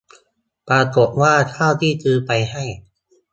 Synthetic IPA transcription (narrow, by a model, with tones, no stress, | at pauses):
pɾaː˧ko˨˩p̪̚waː˥˩t̪ʰaː˥˩wt̪ʰiː˥˩t̪ʰɯː˧pa˧jha˥˩j